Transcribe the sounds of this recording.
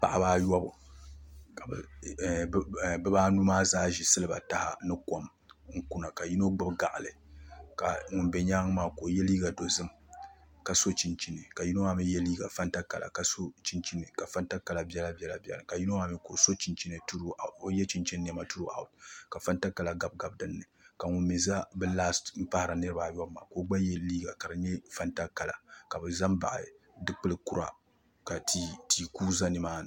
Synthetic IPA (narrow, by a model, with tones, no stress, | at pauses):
pa̰˨ʔa˦baː˦jɔ˦bʊ˨ | ka˨bɨ̰˨ | bɛ˦baː˦nu˦maː˦zaː˦ʒi˨sɨ˦lɨ˦ba̰˨ta˦ha̰˦nɨ˦ko˨m | ŋ̩˦ku˦na˨ka˨ji˦no˦ɡ͡bɨ˦bɡa̰˨ʔa˨lɨ˨ka̰˨ŋʊ˨nbɛ˨ɲaː˦ŋ˦maː˦ko˨jɛ˦liː˦ɡa˨do˨zɨ˦m | ka˨so˦t͡ʃi˨nt͡ʃi˦nɨ˨ka˨ji˦no˦ma˦mi˦jɛ˦liː˦ɡa˨fa˦nta˦ka˨lʔa̰˨ka˨so˦t͡ʃi˦nt͡ʃi˦nɨ˨ka˨fa˦nta˦ka˨la˨bɛ˦la˦bi˦ɛ˦la˨bɛ̰˦˨lka˨ji˦no˦ma˦mi˦ko˨so˦t͡ʃi˨nt͡ʃi˦nɨ˨tu˦ɾo˦jɛ˦t͡ʃi˦nt͡ʃɛ˦nː˦ɛ˦ma˦tu˦ɾo˦ʔa̰˨ʊ˨tka˨fa˦nta˦ka˨la˨ɡa˨b̚ɡa˨b̚dɨ˨nːɨ˨ka˨ŋu˨mi˨za˦bɨ˦laː˦stm̩˦pa˦hɾa˨nɨ˦ɾɨ˦ba˨jɔ˦bma̰˨ko˦ɡ͡ba˦jɛ˦liː˦ɡa˨ka˨ɾɨ˨ɲɛ˦fa˦nta˦ka˨la̰˨ka˨bɨ˨za˦mba̰˨ʔa̰˨ | dɨ˦k͡pɨ˦lɨ˨˦ku˦ɾa̰˨ | ka˨ti˨kuː˦za˦nɨ˨˦maː˦nɨ˨